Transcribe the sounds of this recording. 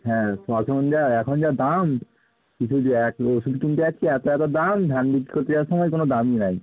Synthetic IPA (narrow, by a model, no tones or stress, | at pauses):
ɦɛ̃sɔʃʰɔkond͡ʑaɛkʰond͡ʑad̪am | kit͡ɕʰuɛkoʃubikint̪iɛt͡ɕʰiɛt̪oɛt̪od̪amd̪ʱanɖikːikot̪iɾaɾʃɔmɔekonod̪aminaj